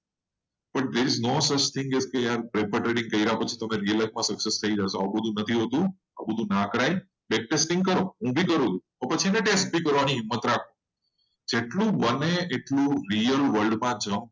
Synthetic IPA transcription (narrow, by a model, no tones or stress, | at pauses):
bəʈd̪eɾɪznosət͡ʃt̪ʰɪ̃ŋɡeskejaɾpɾepəɾʈɾeɖĩŋɡkəiɾaɦot͡ʃʰi̥t̪əmeɾiələk̚mãsəksest̪ʰəid͡ʒaʃoa̰bəd̪ʱũnət̪ʰiɦot̪ũ | a̰bəd̪ʱũnakɾaj | bek̚ʈesʈɪ̃ŋkəɾõɦũbʱikəɾot̪ũ | opət͡ʃʰiɛneʈesʈ̚bikəɾʋaniɦɪmːət̪ɾakʰõ | d͡ʒeʈlũbəneʔeʈlũɾijəlʋəlɖmãd͡ʒəm